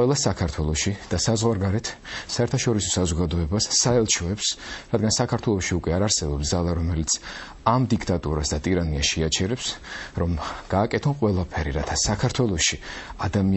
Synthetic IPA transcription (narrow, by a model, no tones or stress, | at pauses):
wɛlˠasakʰaɾt̪ʰwɛlˠɔʃid̪̥asazʁwaɾɡaɾɛt̪ʰsaɛɾt̪ʰaʃɔɾisɔsazɔɡad̪ɔɛbasːaɛlˠt͡ʃʰɔɛpsɾad̪ɡansakʰaɾt̪ʰwɛlˠɔʃiukʼwɛaɾaɾsɛbɔpsd̪zalˠaɾɔmɛlit̪sʰ | amd̪ikʰt̪ʼat̪ʼuɾasd̪at̪ʼiɾaniaʃɛat͡ʃʰɛɾɛpsɾɔmɡ̥aːkʼɛt̪ʰɔnqʼwɛlˠapʰɛɾiɾat̪ʰasakʰaɾt̪ʰwɛlˠɔʃiad̪ami